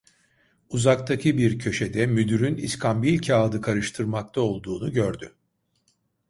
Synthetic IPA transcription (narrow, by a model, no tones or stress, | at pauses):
uzak̚t̪ʰacʰɯbiɾcʰø̞ʃed̪ɛmyd̪yɾyniskʰambilʲcʰaːd̪ɯkʰaɾɯʃt̪ʰɯɾmak̚t̪ʰao̞lˠd̪uːnuɟøɾd̪y